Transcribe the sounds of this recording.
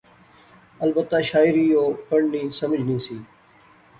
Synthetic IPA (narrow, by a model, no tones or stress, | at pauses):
əlbət̪ːaːʃaːɪɾiːjoːpəɳnĩːsəməd͡ʒʱnĩːsiː